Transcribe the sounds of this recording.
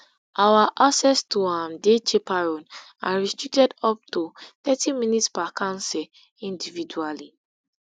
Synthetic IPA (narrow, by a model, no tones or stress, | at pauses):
ʔawaʔasɛstuãmdet͡ʃepaɹɔn | a̰ɹistɹik̚tɛdɔp̚tut̪ɛtĩminitspakãnsɛ | ĩndividuali